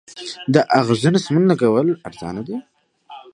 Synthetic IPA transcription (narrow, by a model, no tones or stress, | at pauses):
d̪əʔaɣzunasmunlaɡawəlaɾzɑ̰ːnad̪i